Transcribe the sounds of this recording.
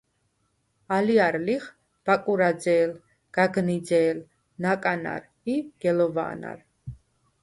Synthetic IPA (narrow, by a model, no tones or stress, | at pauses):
aliaɾliχ | b̥akʼuɾad̪zɛːl | ɡ̥aɡnid̪d͡z̪ɛːl | nakʼana̰ɾ | iɡ̥ɛlɔva̰ːna̰ɾ